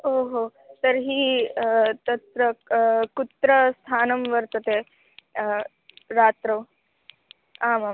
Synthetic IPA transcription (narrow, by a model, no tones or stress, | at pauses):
oɦo | t̪əɾɦiː | t̪ət̪ɾəkut̪ɾəst̪ʰanəmʋəɾt̪ət̪e | ɾat̪ɾəw | amam